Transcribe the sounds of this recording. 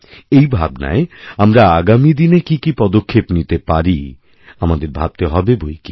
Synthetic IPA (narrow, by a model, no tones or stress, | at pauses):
ejbʱa̰bna̰eamɾaaɡamid̪inekikipɔd̪okʰːepnit̪epaɾi | amad̪eɾbʱab̚t̪eɦɔbebojki̥